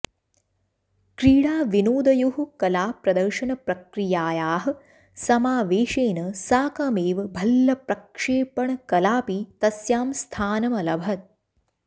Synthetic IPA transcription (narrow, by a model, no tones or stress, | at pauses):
kɾiːɽaːʋinoːd̪ɐjuɦukɐlaːpɾɐd̪ɐɾʃɐnɐpɾɐkɾijaːjaːɦɐ̆ | sɐmaːʋeːʃeːnɐsaːkɐmeːʋbʱɐlːɐpɾɐkʂeːpɐɳɐkɐlaːpit̪ɐsjaːmst̪ʰaːnɐmɐlɐbʱɐt̪̚